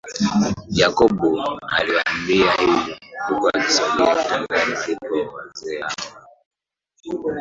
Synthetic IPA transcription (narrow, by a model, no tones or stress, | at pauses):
jakɔɓɔa̰liwaːmbiahililukua̰ki̥saliatɛŋɡanilikɔwazɛhaɔ